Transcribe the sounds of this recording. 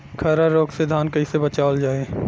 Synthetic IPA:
kʰɐɾaɾoːksed̪ʱaːnkɐisebɐt͡ʃaːld͡ʒaːeː

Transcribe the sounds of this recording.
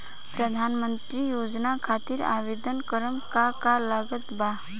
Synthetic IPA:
pɾəd̪ʱaːnmə̃nt̪ɾijoːd͡ʒnakʰaːt̪ɪɾa̰ːʋeːd̪ənkəɾəmkakalaɡət̪ba

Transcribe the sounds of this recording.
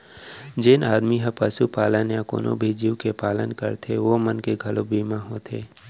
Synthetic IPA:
d͡ʒɪnaːd̪miɦəpəsupaːlənjãko̰ːnʔõ̰bʱid͡ʒiwkepaːlənkə̰ɾt̪ʰeʋomənkeɡʱɐlobʱiːmaɦoːt̪ʰḛː

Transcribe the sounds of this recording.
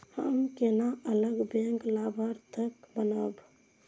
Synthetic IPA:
həmkenaələɡbẽŋklabʱəɾt̪əkbənəb

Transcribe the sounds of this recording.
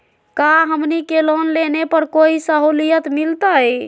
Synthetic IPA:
kaɦəmnikelonlenepəɾkoisəɦulijət̪milt̪əj

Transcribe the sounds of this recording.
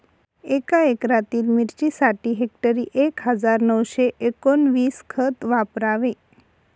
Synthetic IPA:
ekaekɾat̪iːlmiɾt͡ɕiːsaʈiːɦek̚ʈəɾiːʔekɦəd͡zaɾnəwɕeʔekonʋiːskʰət̪ʋapɾaʋe

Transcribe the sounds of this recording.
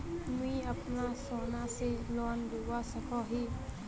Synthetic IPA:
mĩəpnasɔnaselɔnd̪eɡasəkʰɔɦi

